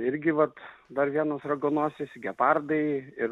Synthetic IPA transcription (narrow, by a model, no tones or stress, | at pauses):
ɪɾʲɡʲɪʋɐt̪d̪ɐɾʋʲiɛnoːsrɐɡonuɔsʲesʲɡʲɛpɑrd̪ɐɪɪɾ